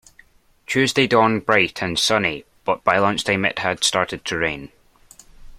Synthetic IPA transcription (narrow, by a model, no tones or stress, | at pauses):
t͡ʃʰʉːzdedɔɹnbɹaɪʔʰə̃nsʌni | b̥ʌʔb̥aɪlˠʌ̃nt͡ʃd̥emɪ̰ʔhəd̥staɹʔɪd̚tʰəɹḛ̃n